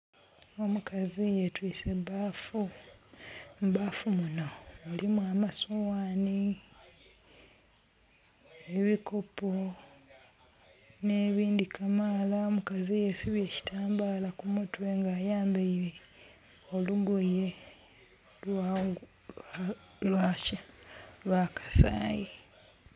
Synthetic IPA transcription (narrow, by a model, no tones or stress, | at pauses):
o̞mukʰazijetwiːsebafu | mbafumunoolimwamasowaːni | eβiko̞po | ne̞ːβiːndikamalaomukazije̞siβje̞ːci̥taːmbaːlakumutwe̞ŋɡaːjaːmbeiɾe | oluɡoje̞ | lwa | lwaːcalwakḁsa̰ːji